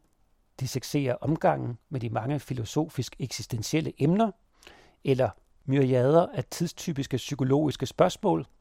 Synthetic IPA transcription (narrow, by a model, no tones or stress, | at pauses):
d̥iseɡ̥se̝̰ːɐʔɒ̽mɡ̥ɑ̈ŋ̰n̩med̥imɑ̈ŋəfilo̝so̝̰ːfisɡ̥eɡ̥sisd̥enɕiel̰əʔemnɐ | elɐ | myɐiɛð̞ˠɐʔæt͡sʰiðˠst͡sʰy̰ːb̥isɡ̥əsykʰo̝lo̝̰ːisɡ̥əsb̥ɶɐsmɔ̰̽ːl